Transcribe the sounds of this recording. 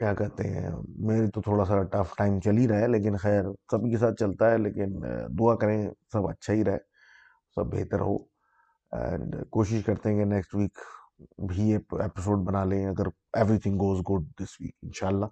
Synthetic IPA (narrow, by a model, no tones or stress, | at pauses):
kjaːkɐɾt̪ḛɦɛ̰̃meːɾet̪ot̪ʰoːɽasaʈɐfʈaːɪmt͡ʃɐliɾɐɦeleːk̬ɪnxɛːɾsɐbʱikes̬aːt̪̚t͡ʃɐlt̪aɦɛleːkɪnd̪uakɐɾẽsɐbɐ̰tːʃʰaɦiɾɐɦe | sɐ̰bːḛːt̪ə̰ɾɦo̰ː | ɛ̰̃ɳɖkoːʃɪʃkɐɾt̪ẽɦɛ̃kenɛksʈʋiːk | bʱieːpeːpɪs̬oːɖbɐnalẽɐɡəɾ | eːʋɾit̪ʰɪ̃ŋɡɡoːzɡʊɖ̚d̪ɪsʋḭːkɪnʃaːlːaː